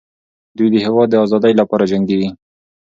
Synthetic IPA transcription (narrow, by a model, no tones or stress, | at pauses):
d̪ujd̪əhewɑd̪ːəɑzɑd̪əjlapɑɾad͡ʒaŋɡeɡi